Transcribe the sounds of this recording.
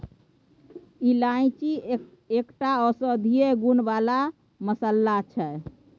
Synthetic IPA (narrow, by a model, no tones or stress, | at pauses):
ilaĩt͡ʃi | ekʈaɔsəd̪ʱijeɡunbala | məsəlːat͡ʃʰɛ